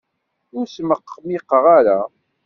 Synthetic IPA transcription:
ʊɾsməqːmiqːəʁaɾa

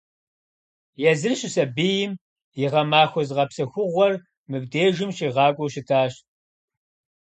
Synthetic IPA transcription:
jɛzɨrɕʼɪsɐbiːjɪm | jɪʁɐmaːxʷɔzʁɐpsɐxʷʊʁʷɔr | mɨb̚deːʒɪmɕiːʁɑːkʷʼɔwɕɪtʰaːɕ

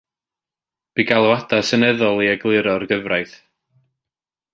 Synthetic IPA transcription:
b̥iɡalˠɔwadasənɛðɔlˠiaɡlˠɨɾɔrɡəvrajθ

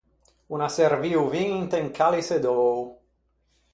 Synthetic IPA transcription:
unaseɾviuviŋnt̪eŋkʰalised̪ɔːw

